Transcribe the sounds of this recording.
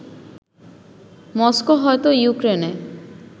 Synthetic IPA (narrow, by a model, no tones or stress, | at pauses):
mɔskoɦɔet̪ojukɾene